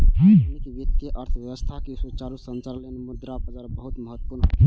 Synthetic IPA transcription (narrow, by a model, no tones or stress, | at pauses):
nik̪ʋikt̪ːeʔəɾt̪ʰəʋjəəst̪ʰakesut͡ʃaɾusənt͡ʃaɾlenmud̪ɾapəd͡ʒaɾbəɦut̪məɦət̪ːpuɾnɦo̰t̪